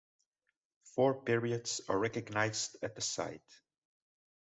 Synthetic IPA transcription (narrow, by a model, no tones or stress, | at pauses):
fɔɹpɪɹiɨdzə̰ɹɛkɨɡnaɪzdɨt̪̚ðəsa̰ɪt